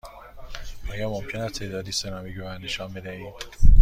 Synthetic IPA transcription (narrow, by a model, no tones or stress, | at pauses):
ʔɒːjɒːmomcʰenæst̪ʰeːd̪ɒːd̪iːsenɒːmiɡovænnːeʃɒːmbed̪æiːd̪̥